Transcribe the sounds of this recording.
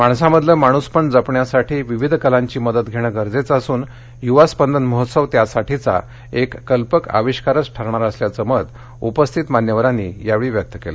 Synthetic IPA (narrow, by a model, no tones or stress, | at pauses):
maɳsaməd̪ləmaɽ̃uspəɳɖd͡zəpɳjasaʈʰiːʋiʋid̪ʱkəlãɲt͡ɕiːməd̪ət̪ɡʱeɽ̃əɡəɾd͡zet͡sasuːn | juʋaspənd̪ənməɦət̪səʋt̪jasaʈʰit͡sa̰ | ekːəlpəka̰ʋiɕkaɾət͡sʈʰəɾɳ̃aɾəsljat͡səməd̪ | upəst̪ʰit̪manjəʋəɾãnːḭːjaʋeɭiːʋjək̚t̪əkelə